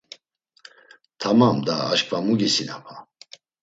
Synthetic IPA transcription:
t̪ʰamamd̪aːʃkʰʼvamuɡisinapʰa

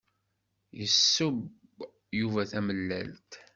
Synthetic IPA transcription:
jəsːəb | juvæθæməlːæ̰lt̪

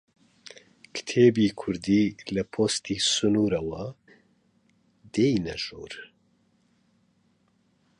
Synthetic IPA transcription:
kʰɨ̥t̪ʰeːbiːkʰʊɾd̪iːlɐpʰoːst̪iːsʊnuːɾɐwɐ | d̪ejnɐ̰ʒo̰ːɾ

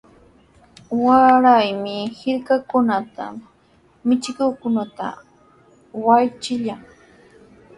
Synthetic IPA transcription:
waɾajmɪhɪɾkakʊnat̪a̰ | mɪt͡ʃɪkʊkʊnat̪a̰ | wajt͡ʃɪʎaŋ

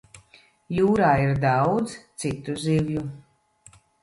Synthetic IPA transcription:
juːɾaːiɾd̪awd̪zt̪sit̪uzivju

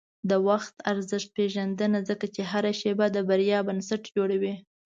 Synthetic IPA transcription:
d̪əwaxt̪aɾzəʃt̪̚peʒand̪ənazəkat͡ʃeɦaɾaʃebad̪əbaɾjɑbansaʈd͡ʒoɽawi

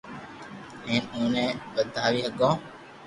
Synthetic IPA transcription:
eenuːneːʋɐd̪ːɐɦɐʋiɦɐɡɔː

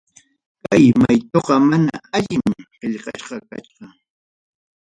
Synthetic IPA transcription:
kajmajt̪oqɑmana̰aʎɪmɢeʎqɑ̰ʃɢɑka̰t͡ʃʊ

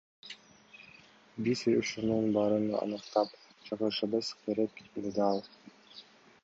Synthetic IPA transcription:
bizuʃununbɑɾɯnɑ̰nɯqt̪ɑpd͡ʒɑʁɯʃɑbɯskʲʰeɾekmed̪ɑlˠ

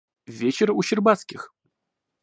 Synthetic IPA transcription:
vʲet͡ɕɪɾuɕɪrbat̪skʲɪx

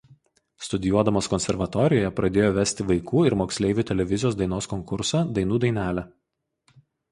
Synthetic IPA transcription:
st̪ʊd̪ʲɪjuɔd̪ɐmoːskɔnʲsʲɛɾʋɐt̪ɔɾʲɪjoːjɛpɾɐd̪ʲeːjoːʋʲæsʲt̪ʲɪʋɐɪkʰuːɪɾmoːksʲlʲɛɪʋʲuːt̪ʲɛlʲɛʋʲɪzʲɪjoːsd̪ɐɪnoːskɔŋkʊɾsɑːd̪ɐɪnuːd̪ɐɪnʲæːlʲæː

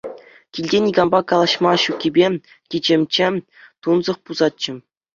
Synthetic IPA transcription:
kʲilʲdʲenʲiɡɑmbɑkɑlˠɑɕmɑɕukʲːibʲe | kʲid͡ʑĕmʲt͡ɕɘ̆ | t̪unzɤ̆χpuzɑt̪̚t͡ɕːɘ̆

